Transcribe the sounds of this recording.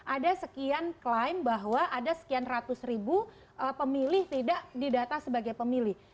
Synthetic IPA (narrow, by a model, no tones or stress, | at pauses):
ʔadasəkianklajmbaɦwaʔadasə̥kianrat̪ʊsribu | ʔəpəmilɪht̪idaʔdidat̪asəbaɡajpəmilɪh